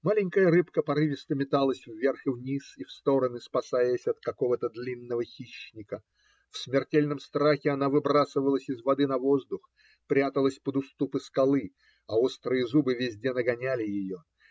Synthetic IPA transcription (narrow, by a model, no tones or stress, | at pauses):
malʲɪnʲkəjəɾɨpkəpɐɾɨvʲɪst̪əmʲɪt̪alˠəsʲvːʲerxvnʲisifst̪o̞ɾənɨspɐsajəsʲɐt̪̚kɐko̞vət̪əd̪lʲinːəvəxʲiɕnʲɪkə | fsmʲɪrtʲelʲnəmst̪ɾaxʲɪɐnavɨbɾasɨvəlˠəsʲɪzvɐd̪ɨnɐvo̞zd̪ʊx | pɾʲat̪əlˠəsʲpəd̪ʊst̪upɨskɐlˠɨ | ɐost̪ɾɨjəzubɨvʲɪzʲdʲenəɡɐnʲælʲɪjɪjo̞